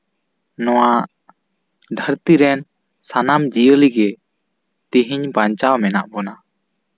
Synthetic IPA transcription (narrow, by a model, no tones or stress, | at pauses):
nɔwaʔ | d̪ʱəɾt̪iɾɛn | sanamd͡ʒijəliɡɛ | t̪iɦiɲbaɲt͡ʃawmɛna̰ʔbɔna